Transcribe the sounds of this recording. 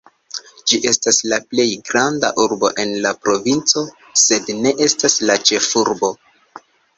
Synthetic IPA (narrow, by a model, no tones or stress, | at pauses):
d͡ʒiʔe̞staslaple̞jɡɾanda̰ʔuɾbo̞̰ʔe̞nlapɾo̞vint͡so̞ | se̞dne̞ʔe̞staslat͡ʃe̞fuɾbo̞